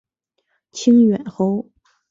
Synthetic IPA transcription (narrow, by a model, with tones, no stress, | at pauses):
t͡ɕʰi˥ŋɥɛ˨˩nxo˥ʊ